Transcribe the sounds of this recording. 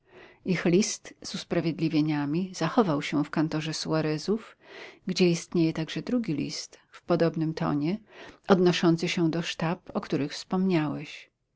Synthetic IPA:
ixlʲist̪z̥uspɾavʲjed̪lʲivʲjeɲamʲizaxɔvawɕɛfkant̪ɔʐɛsuaɾɛzufɡd͡ʑɛist̪ɲejɛt̪aɡʐɛd̪ɾuɡʲilʲḭst̪fpɔd̪ɔbnɘmt̪ʰɔ̰ɲɛʔɔd̪nɔʂɔnt̪sɘɕɛd̪ɔʂt̪apɔkt̪uɾɘxfspɔmɲawɛɕ

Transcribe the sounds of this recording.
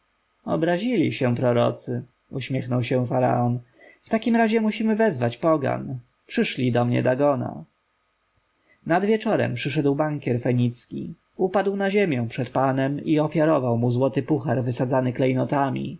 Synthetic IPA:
ɔ̰bɾaʑilʲiɕɛpɾɔɾɔ̰t̪sɘ | uɕmʲjɛxnɔwɕɛ̃faɾa̰ɔn | ft̪akʲimɾaʑɛmuɕimɘvɛzvat͡ɕpɔɡa̰n | pʂɘʂlʲid̪ɔmɲɛ̰d̪aɡɔna̰ | nad̪vʲjɛt͡ʂɔɾɛ̰mpʂɘʂ̬ɛd̪wbaŋkʲjɛɾfɛɲit̪skʲḭ | upad̪wnaʑemʲjɛ̃w̃pʂɛt̪panɛmiɔfʲjaɾɔvawmuzwɔt̪ɘpuxaɾvɘsad̪zanɘklɛjnɔt̪amʲḭ

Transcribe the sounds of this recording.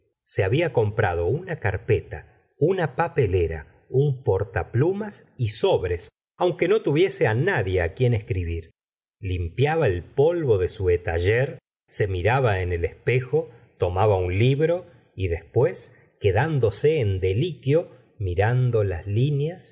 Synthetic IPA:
seaβiako̞mpɾað̞o̞unakaɾpet̪a̰ | unapapeleɾa̰ | umpoɾt̪aplumasiso̞βɾes | awŋke̞no̞t̪uβje̞seanaðje̞akjeneskɾiβiɾ | limpjaβaelpo̞lβo̞ðesuet̪aʒeɾ | se̞miɾaβaene̞lespexo̞ | t̪o̞maβaunliβɾo̞ | iðe̞spwe̞s | ke̞ðand̪o̞seːnd̪e̞likjo̞ | miɾand̪o̞la̰slinjas

